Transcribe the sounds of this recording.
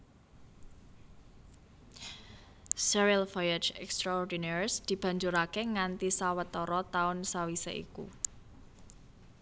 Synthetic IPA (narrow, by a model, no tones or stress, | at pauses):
sɛɾialvɔjad͡ʒɛkst̪ɾaɔrd̪inɛɾsd̪̥i̤b̥ä̤ɲd͡ʒuɾakeŋant̪isawət̪ɔɾɔt̪aʊnsawisḛḭkṵ